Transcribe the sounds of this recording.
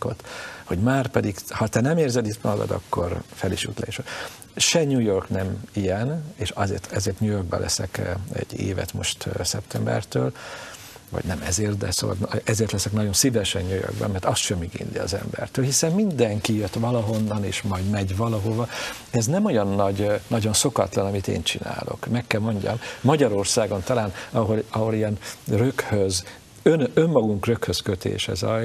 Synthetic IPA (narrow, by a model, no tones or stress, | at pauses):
ko̰t̪ho̞ɟmaːrpɛd̪iɡhɒt̪ɛnɛmeːrzɛd̪it̪mɒd̪ɒ̰d̪ɒ̰kːo̞rfɛliʃṵt̪lɛeːʃ | ʃɛɲujo̞rknɛmijɛneːʃɒzḛːrt̪ɛzeːrt̪ɲujo̞rɡ̚bɛ̰lʔɛ̰sɛkɛ̰ɟːḛːvɛ̰t̪mo̞ʃt̪sɛpt̪ʰɛmbɛ̰rt̪øːl | vɒ̰ɟnɛmɛzeːrt̪̚d̪ɛ̰so̰ːvɒ̰lnɛzeːrt̪lɛsɛknɒɟo̞nsivɛʃɛɲjøjø̰ɡbɛ̰mːɛrt̪ɒst̪ʃɛmiɡḭnliɒ̰zɛ̰mbɛ̰rt̪øːlhisɛmmind̪ɛŋkijøt̪ʋɒlɒɦo̞nːɒnḛːʃmɒjd̪mɛɟʋɒlɒɦo̞vɒ | ɛznɛmo̞jɒnːɒɟnɒɟo̞nso̞kɒ̰t̪lɒnɒmit̪ḛːnt͡ʃina̰ːlʔo̞̰kmɛkːɛlmo̞ɲɟɒ̰mːɒɟɒɾorsaːɡo̞nt̪ɒlaːnɒɦo̞lɒɦo̞liɛnrøkhøz | ønømːɒɡuŋkrøkhøskøt̪ḛːʃɛ̰zɒj